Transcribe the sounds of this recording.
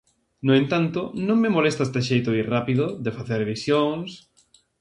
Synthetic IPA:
noẽnt̪ant̪ʊnõŋmemolest̪ast̪eʃ̬ejt̪ʊirapiðʊðefaθeɾβisjoŋs

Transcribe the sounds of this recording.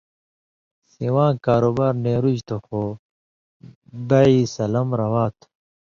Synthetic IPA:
siwãːkaːɾoːbaːɾneːɾud͡ʑt̪ʰoxo | bɐisɐlɐmɾɐwaːt̪ʰ

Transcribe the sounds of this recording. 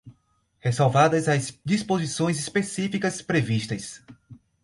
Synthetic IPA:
hesawvad̪ɐzɐsd͡ʒispozisõj̃zispesifikɐspɾeviʃt̪ɐs

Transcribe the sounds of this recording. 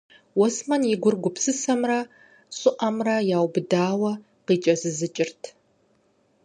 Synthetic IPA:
wɔsmɐnjɪɡʷʊrɡʷʊpsɨsɐmrɐ | ɕʼʊʔɐmrɐjaːwbɨdaːwɐ | qiːt͡ʃʼɐzɨzɨt͡ʃʼɪrtʰ

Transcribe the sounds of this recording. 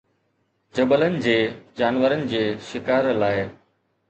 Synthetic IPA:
d͡ʑɐbələnɪ̆d͡ʑeːd͡ʑaːnʋəɾənɪ̆d͡ʑeːʃɪkaːɾlaːɪ

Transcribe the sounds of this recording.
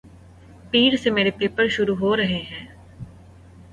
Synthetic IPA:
piːɾseːmeːɾeːpeːpəɾʃʊɾuːɦoːɾəɦeːɦɛ̃ː

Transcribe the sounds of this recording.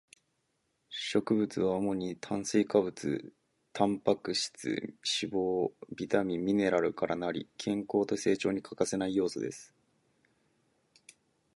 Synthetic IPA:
ɕo̞kɯ̟bɯ̟t͡sɨβaomo̞ɲ̟it̪ʰãɰ̃sɨːkabɯ̟t͡sɨ̰ | t̪ʰãmpakɯ̟ɕi̥t͡sɨ̰ɕibo̞ːbʲit̪amʲĩːine̞ɾaɾɯ̟kaɾʔanaɾʲḭkʰẽ̞ŋko̞ːt̪o̞se̞ːt͡ɕo̞ːɲ̟ikʰakase̞naijo̞ːsod̪esɨ̥

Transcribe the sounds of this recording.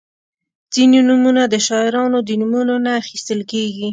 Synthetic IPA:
z̥ininumunad̪əʃɑɪɾɑnod̪ənumunonaːxist̪əlkeɡi

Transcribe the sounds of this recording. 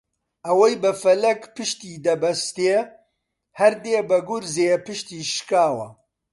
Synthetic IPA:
ʔɐwɐjbɐfɐlɐkpɨʃt̪iːd̪ɐbɐst̪e | hɐɾd̪eːbɐɡʊɾzeːpɨʃt̪iːʃkaːwɐ̰

